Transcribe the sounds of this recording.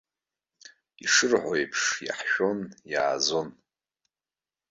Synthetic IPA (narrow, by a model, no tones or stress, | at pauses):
iʂɨrħʷojpʰʂja̰ħʃᶣo̞nja̰ːzo̞n